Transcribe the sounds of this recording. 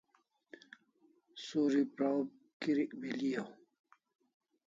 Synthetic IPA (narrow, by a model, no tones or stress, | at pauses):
soːɾipɾawb̚ | kiɾikbilijaw